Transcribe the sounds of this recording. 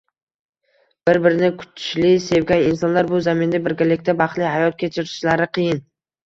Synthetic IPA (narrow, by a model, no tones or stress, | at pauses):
b̥ɪɾbɪɾɪnɪkʰʊ̥t̪ʰʃlɪse̞vɡʲanɪnsɒnlaɾbʊzamɪnd̪abɪɾɡʲalɪkʲt̪abɑχlˠɪɦajɒt̪̚kʲʰet͡ʃʰɪɾɪʃlaɾɪqʰɨjɪn